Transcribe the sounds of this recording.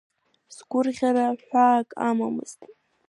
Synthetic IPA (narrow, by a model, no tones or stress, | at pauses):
sɡʷʊrʁʲaɾaħʷaːkʼamamɨ̰z̥tʼ